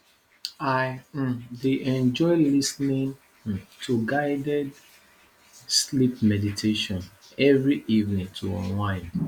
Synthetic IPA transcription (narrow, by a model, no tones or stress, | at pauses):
aɪdeʔɛ̃nd͡ʒɔɪlisnĩn̩ | tʰuɡaɪdɛd | slip̚mɛditʰeʃɔ̃n | ɛvɹiʔivnĩŋtʰṵɔ̰̃nwãɪ̃n